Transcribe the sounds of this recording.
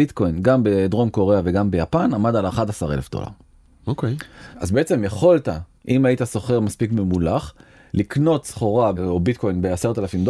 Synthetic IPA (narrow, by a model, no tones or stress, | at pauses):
it̪ko̞jnɡambed̪ʁo̞mko̞ʁeaveɡambe̞japanamadalaχadasaʁelefd̥̪o̰la̰ʁ | okejazbe̞et͡se̞mjeχo̞lt̪aʔimaitaso̞χeʁmaspikmemulaχ | likno̞tsχoʁaobit̪̚ko̞jnbeaseʁt̪alafimdo